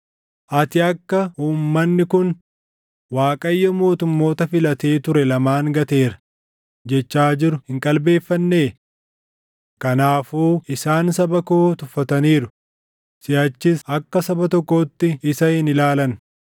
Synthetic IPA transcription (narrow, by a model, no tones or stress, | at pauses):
ʔɐt̪ɪɐkːɐhuːmːɐnːɪkʊn | waːkʼɐjːɐmo̞ːt̪ʊmːo̞ːt̪ɐfɪlɐt̪e̞ːt̪ʊɾɛlɐmaːŋɡɐt̪e̞ːɾɐ̥ | d͡ʒɛt͡ʃːaːd͡ʒɪɾʊhɪŋkʼɐlbe̞ːfːɐnːeː | kɐnaːfuːʔɪsaːnsɐbɐkot̪ʊfːɐt̪ɐniːɾʊ | sɪjɐt͡ʃːɪsɐkːɐsɐbɐt̪ɔkːoːt̪ːɪɪsɐɪnɪlaːlɐn